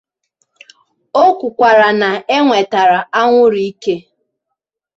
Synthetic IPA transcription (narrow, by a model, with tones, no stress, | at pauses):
o˦kʷʊ˨kʷa˨ɾa˨na˨e˦ŋʷe˨ta˨ɾa˨a˦ŋʷʊ˦ɾi˦ke˦